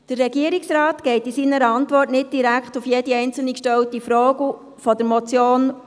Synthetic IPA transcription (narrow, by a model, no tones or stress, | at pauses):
d̥ərːɛɡiəɾiksrɑːtɡ̥ɛɪtisiːnəɾəɑntʋɔrtnɪt̚d̥iɾækχtʊfjeːdiɛɪnt͡sl̩nikʃtɛwtifɾoːɡə | fɔdəɾmɔt͡sjoːn